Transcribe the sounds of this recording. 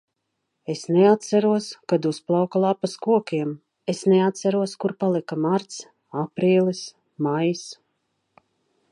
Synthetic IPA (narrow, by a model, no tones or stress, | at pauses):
esneat̪saɾuɔskad̪usplˠawkalˠapaskuɔkʲiɛm | esneat̪t̪sæɾuɔskuɾpalˠikamaɾt̪s | apɾiːlˠis | majs